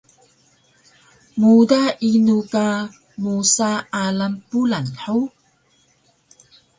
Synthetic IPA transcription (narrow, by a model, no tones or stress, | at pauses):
mudainuka | musaːlampulanħuw